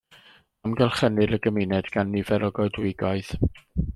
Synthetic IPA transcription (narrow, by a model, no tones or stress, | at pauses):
amɡɛlˠχənɨɾəɡəmɪnɛdɡ̥anːivɛɾɔɡɔɨdwɪɡɔɨð